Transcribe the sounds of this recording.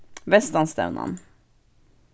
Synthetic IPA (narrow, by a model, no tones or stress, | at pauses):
ʋɛst̪ɑnst̪ɛ̰ʉnʔɑ̰n